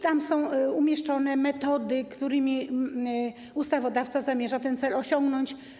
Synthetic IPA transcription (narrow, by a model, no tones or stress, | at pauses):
t̪amsɔ̃w̃umʲjɛʂt͡ʂɔnɛmɛt̪ɔd̪ɘkt̪uɾɘmʲi | ust̪avɔd̪aft̪sazamʲjɛʐat̪ɛnt̪sɛlɔɕɔŋɡnɔɲt͡ɕ